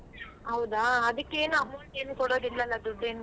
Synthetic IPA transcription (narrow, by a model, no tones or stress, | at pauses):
ɦɐwd̪aːɐd̪ɐkːeːnuɐmːɐɳʈeːnukɔɽoːd̪ilːɐlːɐd̪uɖːeːn